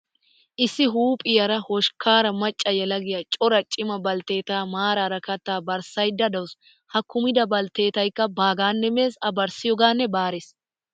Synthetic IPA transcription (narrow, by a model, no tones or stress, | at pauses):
ʔɪsːɪɦuːpʼɪjɐɾɐhɔʃkaːɾɐmɐt͡ʃʼːɐjɛlɐɡɪjɐt͡ʃʼɔɾɐt͡ʃʼɪmɐbɐlt̪e̞ːt̪aːmaːɾɐɾɐkɐt̪ːaːbɐɾsɐjd̪ːɐd̪ɐws | hɐkːʊmɪd̪ɐbɐlt̪e̞ːt̪ɐjkːɐbaːɡaːnːɛmeːsɐbɐɾsɪjɔɡaːnːɛbaːɾes